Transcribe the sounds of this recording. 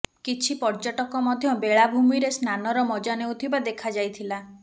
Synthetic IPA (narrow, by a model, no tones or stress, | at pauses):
kit͡ʃʰipɔɾd͡ʒɔʈɔkɔmɔd̪ʱjɔbeɭabʱumiɾesnanɔɾɔmɔd͡ʒanewt̪ʰibad̪ekʰad͡ʒajt̪ʰila